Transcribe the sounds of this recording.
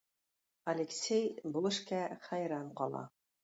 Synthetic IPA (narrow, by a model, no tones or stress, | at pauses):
ɐlʲɪksʲejbŭlˠɤ̆ʃkæχæjɾɑɴqɒlˠɑ̰